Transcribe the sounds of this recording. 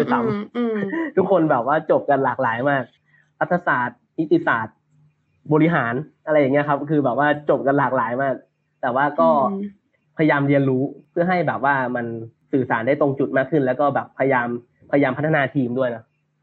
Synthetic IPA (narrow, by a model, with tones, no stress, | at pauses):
t̪a˧˦m | t̪ʰu˦˥kʰːo˧nbɛː˨˩p̚waː˥˩t͡ɕo˨˩p̚ka˧nlaː˨˩k̚laː˩˦jmaː˥˩k̚ | la˦˥t̪ʰːa˧saː˨˩t̪̚ni˦˥t̪ːi˧˩saː˨˩t̪̚ | bɔː˧li˦˥ɦaː˩˦nʔɾa˧jːa˨˩ŋi˦˥ɐ˧kʰa˦˥p̚kʰɯː˧bɛː˨˩p̚waː˥˩t͡ɕo˨˩p̚ka˧nlaː˨˩k̚laː˩˦jmaː˥˩k̚ | t̪ɛː˨˩waː˥˩kɔː˥˩ | pʰa˧ja˧jaː˧mɾi˧ənɾuː˦˥pʰɯ˥˩ɐɦa˥˩jbɛː˨˩p̚waː˥˩ma˧nsɯː˨˩saː˩˦nda˥˩jt̪o˧ŋt͡ɕu˨˩t̪̚maː˥˩kʰːɯ˥˩nlɛː˦˥wkɔː˥˩bɛː˨˩pʰːa˧ja˧jaː˧m | pʰa˧ja˧jaː˧mpʰt̪ʰːa˧naː˧t̪ʰiː˧mdu˥˩əjnɔ˦˥